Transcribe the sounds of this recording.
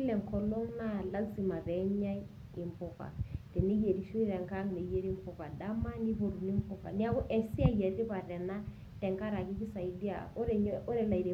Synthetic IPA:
lɛ˨ŋkɔ˨lɔ˦ŋna˦la˦nsi˨ma˨βɛ˨˦ɲa˦ | i˨mpɔ˨ka̰˨tɛ˨ni˦je˨ɾi˨ʃu˦i˦ɾɛ˨ŋka˦ŋne˨je˦ɾi˦mpɔ˨ka˨da˦ma˦ni˦βo˨ɾu˨ni˦mpɔ˦˨ka̰˨ni˦a˦kɔ˦ʔɛ˨si˦a˦˨jɛ˨ɾɾi˦βa˨ɾɛ˨na˦ | tɛ˨ŋka˦ɾa˨ki˦ki˦sa˨i˨di˦a̰˨ɔ˦ɾɛ˨ɲɔ˦ɾɛ˨la˨i˨ɾi˨

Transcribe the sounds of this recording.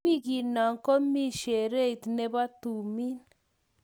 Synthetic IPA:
i˦ɡi˨na˨ŋkɔ˦mi˦˨ʃe˨ɾe˦˨t̪nɛ˦ba˦t̪u˨mi˦n

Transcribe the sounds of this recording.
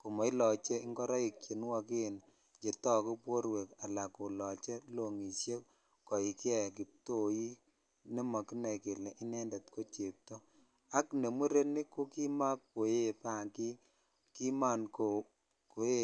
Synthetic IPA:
ko˨mɔ˨i˦lɔ˨t͡ʃe˦i˦ŋɡɔ˦ɾɔ˦i˨kje˨n˦wa˦ke˦n | d͡ʒe˨tɔ˦ku˦pwo˦ɾwe˨ka˨la˨ko˨lɔ˨t͡ʃe˦lo˨ŋi˨sje˦k | kɔ˨i˨ki˦ɛ˦˨k̬i˨p̚to˦ji˦ | ni˦mɔ˨ki˦na˨ke˨lɛ˨ʔɪ˦nɛ˦nde˨tko˦t͡ʃe˨p̚to˦ | a˦kne˨mu˦ɾe˦ni˦ko˦ki˦ma˦k̚po˨je˦˨pa˦˨ŋki˦ | ki˦ma˦˨nko˨ | ko˨e˦

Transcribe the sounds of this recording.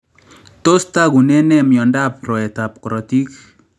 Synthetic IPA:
to˦sta˦ɡu˨nɛ˦nɛ˦mjɔ˨nda˦pɾɔ˨ɛ˨ta˨p̚kɔ˨ɾɔ˨ti˦k

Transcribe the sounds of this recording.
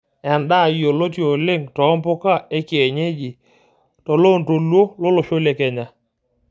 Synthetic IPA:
a˨nda˦˨jo˨lo˦tjo˨lɪ˦ŋtɔ˨˦mpʊ˦ka˦˨e˦kɪ˨ɛ˨ɲe˦d͡ʒi˨ | tɔ˨lo˦˨nto˨lwo˦lʊ˦lʊ˨ʃo˦le˨kɛ˨ɲa˨

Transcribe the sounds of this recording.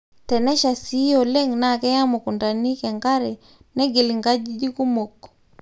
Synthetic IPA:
tɛ˨nɛ˦ʃa˨si˦jɔ˨lɛ˦ŋna˨kɛ˦ja˦mʊ˨ku˨nda˨ni˦kɛ˨ŋɡa˦ɾɛ˨ | nɛ˦ɡɪ˨li˨ŋɡa˦d͡ʒi˦d͡ʒi˦ku˦mo˨kː

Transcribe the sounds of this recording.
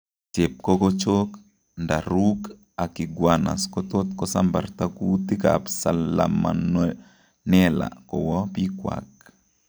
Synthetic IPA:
t͡ʃe˨p̚kɔ˦ko˦t͡ʃo˦k | nda˨ɾuk | a˨ki˨ɡwana̰˨skɔt̪o˦t̪kɔ˦samba̰˨rt̪aku˦t̪i˦ka̰psala̰ma̰n | nɛla̰kɔ˨wɔ˦pi˦kwa̰k̚

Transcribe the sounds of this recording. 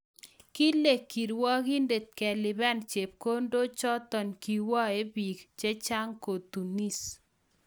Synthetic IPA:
ki˦le˨kːi˨ɾwɔ˦ki˦nde˨t̪̚kɛ˨lɪ˨bɛ˦nt͡ʃe˨p̚ko˦ndo˦t͡ʃɔ˦t̪ɔ˨nki˨wɔ˦e˦bi˨kt͡ʃe˦t͡ʃa˦ŋko˨t̪u˨ni˦s

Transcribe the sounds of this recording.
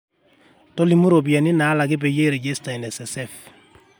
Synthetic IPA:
tɔ˦li˨mu˦ɾo˨bi˨a˨nɪ˦na˨˦la˨ɡɪ˦bɛ˨je˦ɾe˨ɟɛ˦sta˨inɛ˨sɛ˨sɛf

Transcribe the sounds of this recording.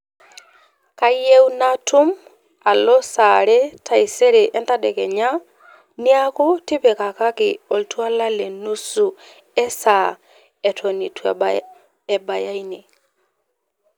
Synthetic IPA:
ka˦je˦wna˦tu˦m | a˨lɔ˦saɾɛ˦ta˨i˨sɛ˦ɾɛʔɛ˦nta˦dɛ˨kɛ˨ɲa˦ | ni˦a˦ku˦tɪ˦pɛ˨ka˨ka˦kɪɔ˨ltwa˦la˦le˨nu˦su˨ | ɛ˦sa˨ | ɛ˨tʰo˨ni˨tw | ɛ˨ba˨ja˦i˦ni˨

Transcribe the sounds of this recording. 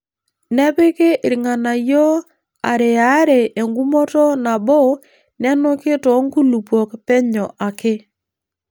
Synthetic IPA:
nɛ˦pɪ˦ke˦ʔɪ˨ɾŋa˨na˨jo˦ | a˨ɾe˨a˨˦ɾe˨ʔe˨ŋɡu˦mɔ˦tɔ˦na˨bɔ˦˨ | nɛ˦nʊ˦kɪ˦tɔ˨˦ŋ˦ku˦lu˨pwɔ˨kpɛ˦ɲɔ˨ʔa˨kɪ˦

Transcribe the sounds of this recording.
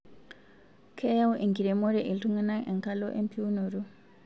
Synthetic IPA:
kʰe˦ja˦wʔe˨ŋɡi˨ɾe˨mo˦ɾe˨ʔi˨ltu˦ŋa˦naʔe˨ŋka˦lo˦ʔe˦mpʰi˦u˦nu˨ɾu˦

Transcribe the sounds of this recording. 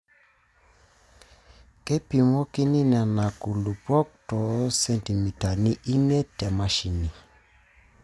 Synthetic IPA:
kɛ˦pi˨mɔ˦ki˦ni˦na˨na˨ku˨lu˨pɔ˦k̚tɔ˨˦sɛ˦nti˨mi˨ta˨ni˦ʔi˦mɛ˦tɛ˨ma˨ʃi˨ni˨

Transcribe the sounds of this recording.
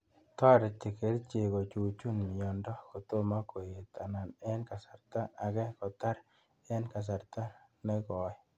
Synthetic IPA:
tɔ˦ɾɪ˨te˨ke˨˦ɾt͡ʃe˨ko˨t͡ʃu˨t͡ʃu˦nmɪ˨jɔ˨ndɔ˦ko˨t̪o˦ma˦ko˨e˨t̪a˨na˨nɛ˦nka˨sa˨ɾta˦a˨ɡɛ˦kɔ˨ta˦ɾ | ɛ˦nka˨s̬a˨ɾt̪a˦nɛ˦kɔ˨ɪ˦

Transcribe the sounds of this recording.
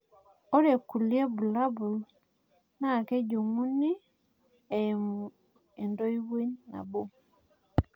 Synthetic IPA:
o˦ɾe˨ku˨lje˦bu˨la˦bu˨l | na˦˨ke˦d͡ʒo˨ŋu˦ni˦ | e˨m˨ | e˨ndo˦i˦we˦ɲːa̰˨bo˦

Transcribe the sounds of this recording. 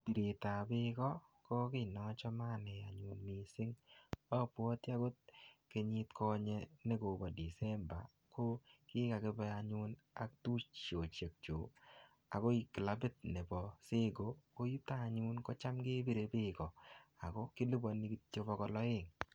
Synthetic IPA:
ti˨ɾe˨ta˨bɪkɔ˦kɔ˦kɪ˦nɔ˦t͡ʃɔ˦ma˦ne˨a˨ɲu˨nmi˨sɪ˦ŋɔ˦pwɔ˦tja˦ɡo˦t̚ke˧ɲi˧tkʰɔ˦ɲe˧ne˦ko˨bɔ˨di˨sɛ˦mba̰˨ | ko˦kɪ˦ka˨ke˦bɛ˧aɲu˦n | a̰˦k̚tu˦t͡ʃt͡ʃo˨t͡ʃe˨k̚t͡ʃo˨ | a˨ko˦i˨kɪ˨la˦bɪ˦t̚ne˨bɔ˨se˦ɡo˨ko˦ju˦ta˦˨ɲu˦nko˦t͡ʃa˦mɡe˦bi˦ɾe˨bɪ˦kɔ˨a˨kɔ˦kɪ˦li˦bɔ˨ni˦ki˦tt͡ʃo˦bɔ˧kɔ˧lɔ˦e˦˨ŋ

